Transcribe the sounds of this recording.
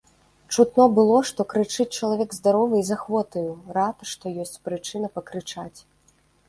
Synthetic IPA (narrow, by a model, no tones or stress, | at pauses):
t͡ʂut̪nɔbɨlˠɔʂt̪ɔkɾɨt͡ʂɨt͡sʲt͡ʂɐlˠavʲɛɡzd̪aɾɔvɨizaxvɔt̪ɐjuɾat̪ʂt̪ɔjɔsʲt͡sʲpɾɨt͡ʂɨnɐpɐkɾɨt͡ʂat͡sʲ